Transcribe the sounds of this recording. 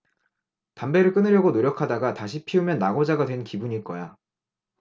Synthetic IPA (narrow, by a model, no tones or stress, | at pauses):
tambe̞ɾɯɭk͈ɯnɯɾjʌɡonoɾjʌkʰadaɡataɕ̬ʰipʰiumjʌnːaɡod͡ʑaɡadwe̞nkibuɲik͈ʌja